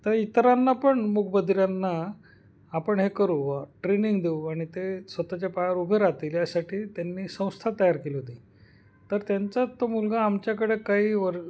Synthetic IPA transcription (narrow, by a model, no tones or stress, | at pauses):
t̪əɾit̪ɾanːapəɳmukʰbəd̪ɾjanːaː | pəɳɦekəɾuʋaʈɾeniŋɡd̪euaɽ̃it̪esʋət̪at͡ɕapajaɾubʱeɾat̪iljasaʈʰiːt̪janːiːsə̃w̃st̪ʰat̪əjaɾkeliɦot̪ĩ | t̪əɾt̪jaɲt͡sat̪ːomulɡaːmt͡ɕjakəɽekaɦiːʋəɾ